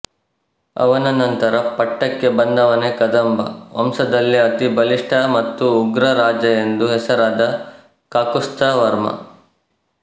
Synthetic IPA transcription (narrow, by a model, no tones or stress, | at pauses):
ɐ̰ʋɐnɐnɐnt̪ɐɾɐpɐʈːɐkːebɐnd̪ɐʋɐnekɐd̪ɐmbʱɐ̰ɐ̰msɐd̪ɐlːiɐt̪ibɐliʂʈʰɐmɐt̪ːuːɡɾɐɾaːd͡ʒɐend̪uɦɛsɐɾaːd̪ɐ | kaːkust̪ʰɐʋɐɾmɐ̰